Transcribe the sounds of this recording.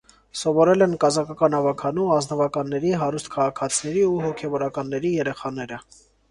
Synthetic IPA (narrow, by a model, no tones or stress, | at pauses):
sɔvɔɾɛlɛnkɑzɑkʰɑkɑnɑvɑkʰɑnuɑznəvɑkɑnːɛɾiɦɑɾust̪̚kʰɑʁɑkʰɑt͡sʰinɛɾiuɦɔkʰɛvɔɾɑkɑnːɛɾijɛɾɛχɑnɛɾə